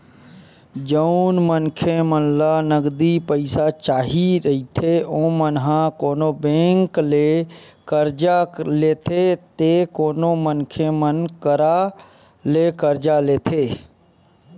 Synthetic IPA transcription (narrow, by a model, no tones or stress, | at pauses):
d͡ʒəʊnmənkʰemənlanəɡd̪ipəɪsat͡ʃaːɦiɾəɦit̪ʰeõːmənɦãkoːnobẽːŋkle | kəɾd͡ʒaleːt̪ʰet̪ekoːnomənkʰemənkəɾa | lekəɾd͡ʒaleːt̪ʰeː